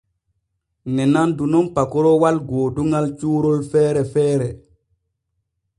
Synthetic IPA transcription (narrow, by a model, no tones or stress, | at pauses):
nɛnandunɔnpakɔɾɔwalɡoːduŋalt͡ʃuːɾolfɛːɾɛfɛːɾɛ